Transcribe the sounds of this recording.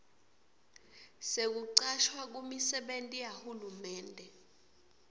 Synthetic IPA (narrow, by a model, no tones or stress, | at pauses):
sek̬uǀaʃwak̬umisɛɓentʼijahulumɛːndʱɛ